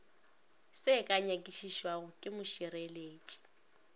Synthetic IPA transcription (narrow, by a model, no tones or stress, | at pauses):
sɪkʼaɲakʼiʃiʃwaɣʊkʼɪmʊʃɪɾeleːt͡ʃʼi̥